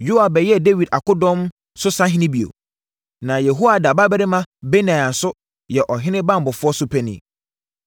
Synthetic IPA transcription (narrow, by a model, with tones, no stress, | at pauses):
jo˦a˨bɛ˨jɛ˦de˦wi˨da˨kʊ˦dɔ̃˦m | sʊ˦sã˦ɦɪ̃˦nɪ̃˦bi˨o̰˨ | nã˨jɛ˨ɦo˦wa˨da˨ba˦bɛ˦ɾɪ˦mã˦be˦nã˨a˨n̩˨sʊ˦ | jɛ˨ʔɔ˨ɦɪ̃˦nɪ̃˦bã˦˨m̩˨bɔ˨fʊ˦ɔ˦sʊ˦pʰɛ˦nḭ̃˨